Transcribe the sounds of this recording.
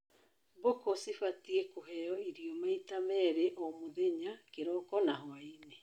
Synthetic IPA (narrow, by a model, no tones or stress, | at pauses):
bokosifatiekoɦɛjɔiɾiɔmaitamɛɾeʔomoðeɲakeɾɔkɔnaɦwaine